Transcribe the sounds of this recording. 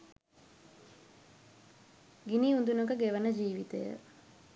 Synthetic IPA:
ɡiniund̪unəkəɡeʋənəd͡ʒiːʋit̪əjə̰

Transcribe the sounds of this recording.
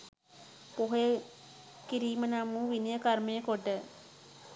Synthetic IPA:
poɦɐjə | kiɾiːmənamuːʋinijəkɐɾməjəkoʈːə

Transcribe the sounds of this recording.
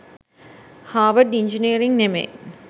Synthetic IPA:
haːʋəɖiɲd͡ʒiniəɾiŋnemḛ

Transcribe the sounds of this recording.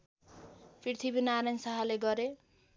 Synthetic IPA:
pʰirt̪ʰibinaɾansaɦaleɡʌɾe

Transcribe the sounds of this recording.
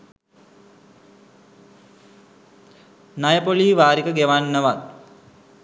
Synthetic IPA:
najəpoliːʋaːɾikəɡeʋanːəʋat̪̚

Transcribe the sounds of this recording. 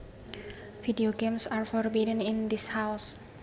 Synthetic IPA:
fidioɡemsaɹfɔrbidənind̪ɪshaws

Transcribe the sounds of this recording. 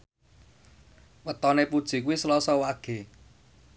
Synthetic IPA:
wət̪ɔnepud̥ʒ̥i̤k̬uwislɔsɔwaɡ̥e̤

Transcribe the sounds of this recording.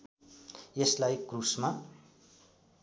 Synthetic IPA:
jeslajkrusma

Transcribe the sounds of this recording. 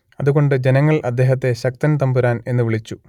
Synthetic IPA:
ɐðuɣo̞ɳɖɨd͡ʑenɐŋːɐɭʔɐd̪ːe̞ːɦɐt̪̬ːe̞ɕɐk̚t̪ɐnt̪ɐmbuɾaːne̞nːɨʋiɭit͡ɕːu

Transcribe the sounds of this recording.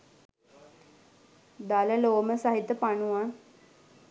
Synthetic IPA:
d̪aləloːməsaɦit̪əpanuʋa

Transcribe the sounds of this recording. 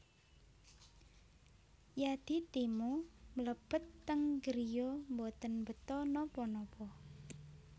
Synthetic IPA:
jad̪̥i̤t̪imumələb̥ə̤t̪ːəŋɡəɾijombot̪ənbət̪ɔnɔpɔnɔpɔ

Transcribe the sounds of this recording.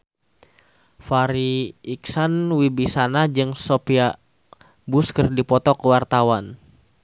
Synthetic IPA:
faɾiːksanwibisanad͡ʒɨŋsɔpia | buskərdipɔt̪ɔkəwart̪awan

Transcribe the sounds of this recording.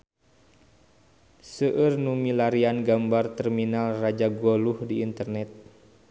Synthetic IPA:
səʔɨrnumilaɾianɡambart̪ɛrminalrad͡ʒaɡoluhdiːnt̪ərnɛt̪̚

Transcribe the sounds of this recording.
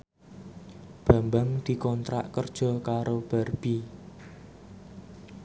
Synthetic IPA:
b̥a̤mbaŋd̪̥i̤kɔnt̪ɾa̰ʔkərd̥ʒ̥ɔ̤kaɾob̥a̤rb̥i

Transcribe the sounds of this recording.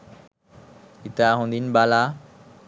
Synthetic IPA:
it̪aɦõnd̪inbala

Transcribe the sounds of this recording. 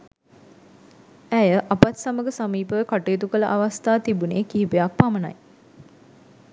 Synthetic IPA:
æjəʔapat̪saməɡəsamiːpəʋəkaʈeːt̪ukələʔaʋast̪aːt̪ibuneːkiɦipejak̚paməna̰j

